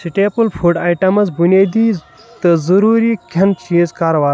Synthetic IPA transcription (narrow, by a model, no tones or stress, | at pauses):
siʈeːpulfʰuɖaːjʈɐmɐzbuneːd̪iː | t̪ɐzɐɾuːɾiːkʰʲɐnt͡ʃiːzkaːɾɐʋaː